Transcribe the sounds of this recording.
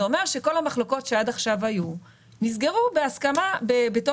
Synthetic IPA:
o̞me̞ʁʃe̞ko̞lhamaχlo̞ko̞tʃeadaχʃavaju | nizɡe̞ʁube̞askamabebeto

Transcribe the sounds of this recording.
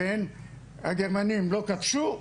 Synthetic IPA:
en | aɡeʁmanimlo̞kat̪ʃu

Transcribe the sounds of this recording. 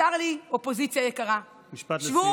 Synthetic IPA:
aʁliopo̞zit͡sjajekaʁa | miʃpat̪ʃvu

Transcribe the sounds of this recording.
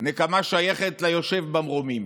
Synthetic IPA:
nekamaʃajeχet̪lajo̞ʃe̞vbamʁomim

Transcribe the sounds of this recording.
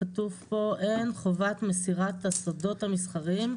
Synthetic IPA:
atuvpo̞ʔenχovatmesiʁat̪hasodo̞thamisχaʁim

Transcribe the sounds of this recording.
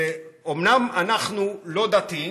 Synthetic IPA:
eomnamanaχnulo̞d̪at̪i

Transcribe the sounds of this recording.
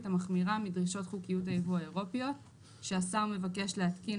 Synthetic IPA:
tamaχmiʁamidʁiʃo̞tχukijutaivuaeʁo̞pjo̞t | ʃe̞asaume̞vake̞ʃleatki

